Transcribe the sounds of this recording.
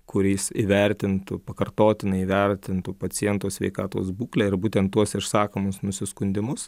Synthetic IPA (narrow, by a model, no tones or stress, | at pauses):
kʊɾʲiːsiːʋʲɛɾʲt̪ʲɪnt̪ʊpɐkɐrt̪oːt̪ʲɪnɐiːʋʲɛɾʲt̪ʲɪnt̪ʊpɐt͡ssʲɪjɛnt̪usʲʋʲɛ̰ɪkɑːt̪o̰ːsbuːklʲɛːɪɾbuːt̪ʲɛnt̪t̪ːuɔsɪʃsɑːkomʊsnʊsʲɪskʊnʲd̪ʲɪmʊs